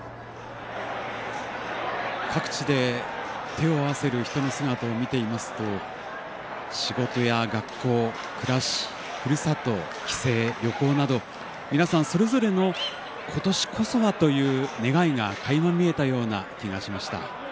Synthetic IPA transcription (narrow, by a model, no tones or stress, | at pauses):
kʰakɯ̟̥t͡ɕid̪e̞t̪e̞o̞aβase̞ɾɯ̟çi̥t̪o̞no̞sɨɡat̪aomʲit̪e̞imasɨ̥t̪o̞ | ɕiɡo̞t̪o̞jaɡakʰːo̞ː | kɯ̟ɾaɕi̥ | kɯ̟ɾɯsat̪o̞ | kʲi̥se̞ːjʲo̞ko̞ːnad̪o̞ | mʲinasãɰ̃so̞ɾe̞zo̞ɾe̞no̞ | kʰo̞t̪o̞ɕi̥kʰo̞so̞βat̪o̞jɯ̟ːne̞ɡaiŋakaimamʲie̞t̪ajo̞ːna̰kʲiɡaɕimaɕi̥t̪a̰